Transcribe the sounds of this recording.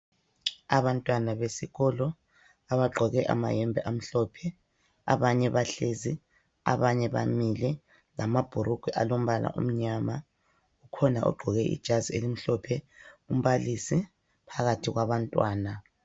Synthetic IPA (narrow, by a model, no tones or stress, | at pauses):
aβantʼwanaβesiɣɔlɔ | aβaɡ͡ǃʱɔɣɛʔa̰ma̰jɛmbʱɛ̰ʔam̩ɬɔpʰɛ | a̰βaɲɛβaɬezi | a̰βaɲɛβa̰milɛ | lamab̥ʱuɾuɡ̥ʱɛʔalom̩βala̰ʔṵm̩ɲama | ukʰɔnaʔɔ̰ɡ͡ǃʱɔɣɛʔḭd̥ʒ̥ʱaziḛlim̩ɬɔpʰɛum̩βalisi | pʰaɣatʰiɣwaβantʼwaːna